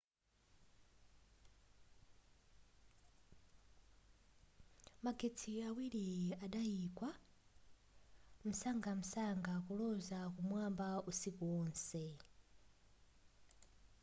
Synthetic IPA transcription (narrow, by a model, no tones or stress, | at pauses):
maɡetʰiawiliaɗajiːkwa | m̩saŋɡam̩saŋɡakulɔzakumwambausikuwɔːnsɛ